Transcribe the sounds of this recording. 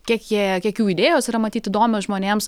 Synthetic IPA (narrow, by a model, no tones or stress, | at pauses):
kʲiɛkjiɛɛkʲiɛkjuːid̪ʲeːjoːsiɾɐmɐt̪ʲiːt̪ɪd̪oːmʲoːsʒmoːnʲeːms